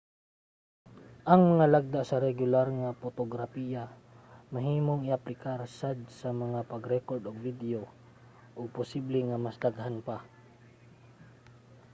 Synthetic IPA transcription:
ʔɐŋmɐŋalaɡ̚d̪aʔsɐɾɛɡʊlaɾŋapot̪oɡɾapija | mɐɦiːmoŋɪʔɐplɪkaɾsad̪̚sɐmɐŋapɐɡɾɛkoɾd̪oɡ̚vid̪ɛo | ʔoɡ̚pʊsiblɛŋɐmɐsd̪aɡhanpa

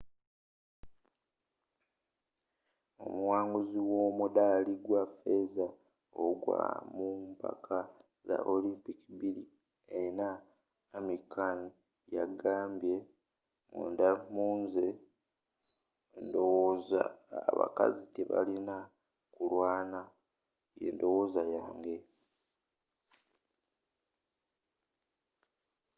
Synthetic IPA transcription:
o̞̰muwaːŋɡuziwo̞ːmudaliɡwafe̞za | oɡwa̰mumpa̰kʰa | za̰ʔolimpikibiɾi | ena | emikʰani | jaɡaːmbje̞ | muːndamuːnze | ndo̞wozaːβa̰ka̰ziteβalina | kulwaːna | je̞̰ːndo̞wo̞ːzajaːŋɡe̞

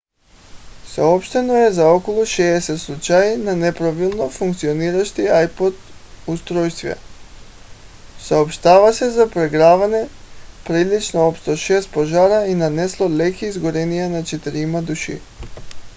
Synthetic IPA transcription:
saɔpʃt̪ɛnoɛzaɔkɔlˠuʃɛːsɛt̪slˠut͡ʃajinanɛpɾavilˠnofuŋkt̪sioniɾaʃt̪iajpod̪ust̪ɾɔjst̪vjɛ̰ | saopʃt̪avasɛzapɾɛɡɾavanɛpɾilit͡ʃnoɔpst̪ɔʃɛst̪̚pɔʒaɾainanɛslˠolɛkʲiːzɡoɾɛnijanat͡ʃɛt̪iɾimad̪uʃḭ

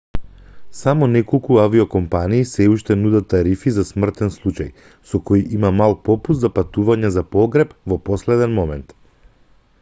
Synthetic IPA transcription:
samɔnɛkɔlˠkuaviɔkɔmpaniːsɛuʃt̪ɛnud̪at̪ːaɾifizasmr̩t̪ɛnslˠut͡ʃa̰j | sɔkojʔimamalˠpɔpuszapat̪uvaɲɛzapɔɡɾɛpvɔpɔslɛd̪ɛnmɔmɛnt̪

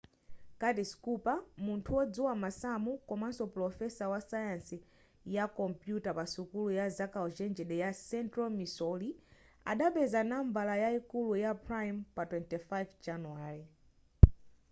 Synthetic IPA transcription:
katiskupamuntʰuwɔd͡zuwamasamukɔmansɔplɔfɛsawasajansi | jakɔmpjutapasukulujazakald͡ʒɛnd͡ʒɛɗɛjasɛntɾɔmisɔli | a̰ɗaɓɛzanaɱbalajaikulujapɾajmpatwɛntifajvd͡ʒanuaɾi

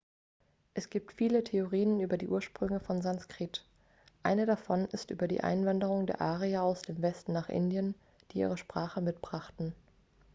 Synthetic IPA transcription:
ʔɛsɡ̥iːp̚tfiːlətʰeoʁiːənyːbɐdiːʔuːɐʃpʁ̥ʏŋəfɔnzanskʁ̥it | ʔaɪnədafɔnɪstʔy̰ːbɐdḭːʔa̰ɪnvandəʁ̞ʊŋdḛːɐʔaːʁiaaʊsd̥eːmvɛstn̩ːaːχʔɪ̰ndjən | d̥iːʔḭːʁ̞əʃpʁ̥aːχəmɪtb̥ʁaχtn̩

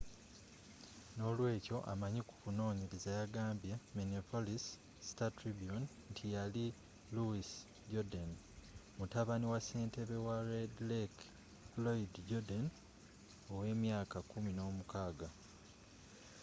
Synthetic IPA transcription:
no̞lwe̞ːco̞ʔa̰maɲikukuno̞ːɲiɾizajaɡaːmbjemeniopolis | si̥tatɾibjon | ntʰijali | luis | ɟodan | mutaβaniwase̞ːnte̞βe̞waɾedlek | loidɟodan | owe̞ːmjaːkakumino̞ːmukaːɡa

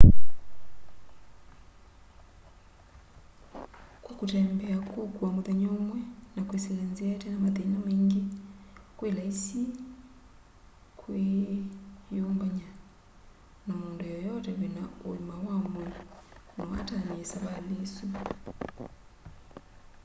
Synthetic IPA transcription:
kwakotɛmbɛakwokwamoðeɲomwɛnakwesilenziɛtɛnamaðenameːŋɡe | kwelaisi | kwe | joːmbaɲa | namoːndojɔjɔtɛwenao̰umawamwɛnɔwa̰taniesaβalesu

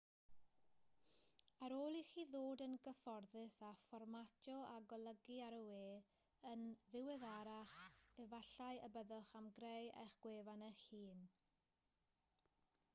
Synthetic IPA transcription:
aɾoːlˠiχiːðoːdənɡəfɔrðɨsafɔrmatʰjɔaɡɔlˠəɡiaɾəweː | ənðɪwɨðaɾaχɛvaɬaɨəbəðʊχamɡrejḛχɡ̥weːvanəχiːn

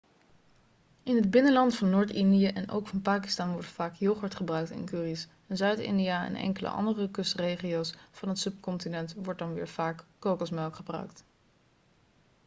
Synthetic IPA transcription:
ɪnɦəd̚bɪnəlɑntfɑnːoːɹtɪndijəʔɛnʔo̰wkfɑnpaːki̥stɑːnʋɔɹtfaːkjowχəɹtχəbrœɥk̚tɪ̰nkyːris | ɛnzœɥtɪ̰ndiaɛ̰nɛ̰ŋkələ̰ʔɑ̰ndərəkɵstrejχiowsfɑnɦətsɵp̚kɔntinɛntʋɔɹt̚dɑnʋɪ̰ːɹv̥aːkːowkɔsmɛlˠkχəbrœ̰ɥkt

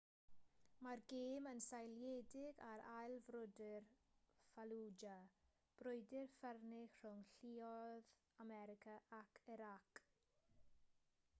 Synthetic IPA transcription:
marɡeːmənsajljedɪɡaɾajlˠvrʊdɪr | falˠud͡ʒa | b̥rʊjdɪrfərnɪxr̥ʊŋɬiɔð | amɛɾɪkʰaʔakʰɪɾak

